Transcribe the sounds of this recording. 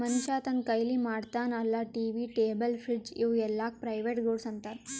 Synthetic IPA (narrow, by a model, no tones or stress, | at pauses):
mɐnuʃaːt̪ɐnkɐjlimaːɽt̪aːnɐlːaʈiːʋiʈeːbəlfʰɾid͡ʒiʋɛlːaːk̚pɾɐjʋeːʈɡoːɽsɐnt̪aɾ